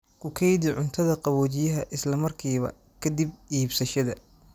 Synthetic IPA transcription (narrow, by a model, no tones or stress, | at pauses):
kʰʊkʰɛjd̪ɪʕʊnt̪ʰɐðɐqɑβɔːt͡ʃɪjɐɦɐʔɪslɐmɐrkʰiːβɐ̰ | kʰɐd̪ib̚iːbsɐʃɐðɐ